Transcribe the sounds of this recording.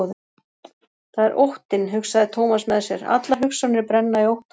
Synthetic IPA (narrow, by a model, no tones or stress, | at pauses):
ðɪ | θaðɛɾʔowht̪ɪnɦʏksaðɪt̪ʰowmasmɛðsjɛɾa̰t̪laɦʏksanɪɾpɾɛnːaiowht̪